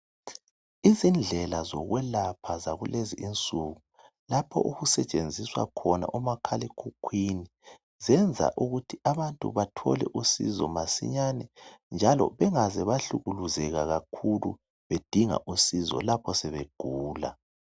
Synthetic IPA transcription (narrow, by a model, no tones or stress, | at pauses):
izind͡ɮʱɛlazɔɣwɛlapʰazaɣuleziʔint͡sʼuɣu | lapʰɔ̰ʔuɣusɛt͡ʃʼend͡zʱiswa̰kʰɔna̰ʔumakʰalikʰukʰwini | zɛnd͡zʱa̰ʔuɣutʰiaβantʼṵβatʰɔ̰lɛ̰ʔusḭzɔ̰masḭɲanɛnd͡ʒʱalɔ̰βɛŋazɛβaɬuɣuluzɛɣaɣakʰulṵ | βed̥ʱiŋa̰ʔusizɔ̰lapʰɔsɛβeɡ̥ʱuːla̰